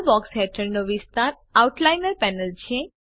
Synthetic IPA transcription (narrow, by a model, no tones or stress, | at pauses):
bɔksɦɛʈəɾnoʋɪst̪aɾ | auʈlajnəɾpɛnəlt͡ʃʰe